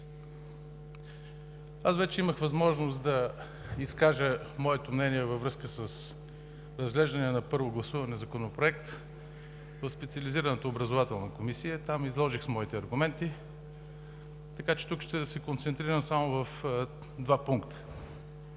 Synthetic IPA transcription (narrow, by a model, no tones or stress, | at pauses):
asvɛt͡ʃɛiməxvɐzmɔʒnost̪d̪ɐ | iskaʒə | mɔɛt̪omnɛniɛvəvɾɤskəsəs | ɾɐzɡlɛʒd̪ɐnɛnɐpɤɾvoɡlˠɐsuvɐnɛzɐkonopɾoɛk̚t̪ | vəfspɛt̪siəliziɾɐnot̪əobɾəzovat̪ɛlˠnɐkomisiət̪amizlˠɔʒixsmɔit̪ɛɐɾɡumɛnt̪i | t̪ɐkat͡ʃɛ̥t̪ukʃt̪ɛd̪ɐsɛkont̪sɛnt̪ɾiɾəmsamovɐf | d̪vapuŋkt̪ə̥